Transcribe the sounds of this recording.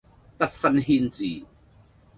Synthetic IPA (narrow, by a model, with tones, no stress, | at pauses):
t̪ɐ˦˥t̚fɐ˧nɦiː˧nt͡siː˨˩